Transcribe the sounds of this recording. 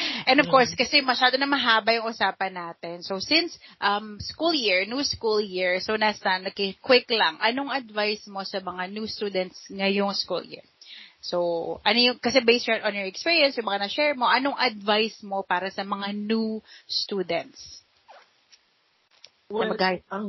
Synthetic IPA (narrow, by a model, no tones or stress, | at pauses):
ʔɛ̃nd̪ɔvkoɹskɐsɛmɐʃaːd̪onɐmɐɦaːbɐjʊŋʔʊsaːpɐnːaːt̪ɛnsosɪnsʔɐmskuljɪɹnuskuljiɹsonasɐnɐɡkɪkwɪklɐŋʔɐnoŋɐd̪vajsmo̞sɐmɐŋanjust̪uːd̪ɛnt̪sŋɐjoŋskṵljɪ̰ɹsowʔɐnojʊŋkɐsɛbejsnʔɔnjɔɹɛkspiːɹijɐnsjʊŋmɐŋanɐʃɛːɹmo̞ʔɐnoŋʔɐd̪vajsmo̞paːɾɐsɐmɐŋanust̪uːd̪ɛnt̪s | nɐbɐɡa